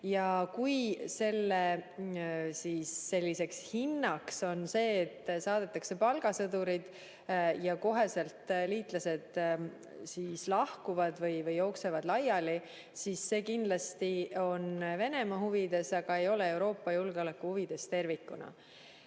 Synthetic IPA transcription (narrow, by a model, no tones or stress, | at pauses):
jɑkujse̞lːe | siːsːe̞lʲːise̞kshinːɑkso̞nse̞ːt̪ːˑsɑːd̪̥e̞t̪ːˑɑkse̞pɑlɡ̥ɑsɤd̪uɾid̪̥ | jɑko̞ɦe̞se̞lt̪liːt̪ˑlɑse̞d̪̥ | sislɑhkuvɑd̪vɤjvɤjo̞ːksevɑd̪̥lɑjɑli | sisːe̞ːkind̪lɑst̪io̞nve̞ne̞mɑɦuvid̪e̞sɑɡ̥ɑe̞jo̞lee̞uwɾo̞ːpːɑjulɡ̥eo̞lekːˑuhuvid̪̥e̞st̪e̞rvikːˑunɑ̰